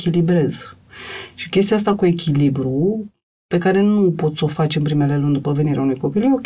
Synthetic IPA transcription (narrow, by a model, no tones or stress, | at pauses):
kʲilibɾe̞z | ʃi̥kʲe̞st̪ijas̬t̪akue̞kʲʰilibɾu | pe̞kaɾe̞nupo̞t̪so̞fat͡ʃempɾimealelund̪upəve̞niɾeaunujko̞pilok